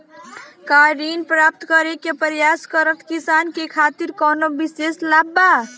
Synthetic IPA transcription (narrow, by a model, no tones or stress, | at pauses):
kaɾinpɾap̚t̪kəɾekepəɾjaskəɾət̪ʰkisankekʰat̪iɾkɔnobiseslabːa